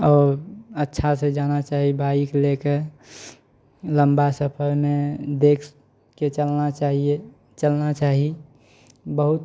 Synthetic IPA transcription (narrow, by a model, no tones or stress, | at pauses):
ɔːɾətːʃʰased͡ʒanat͡ʃaːɦibaikleke | lə̃mbasəpʰəɾmed̪ekʰ | ket͡ʃəlnat͡ʃaɦie | t͡ʃəlnat͡ʃaːɦi | bəɦut̪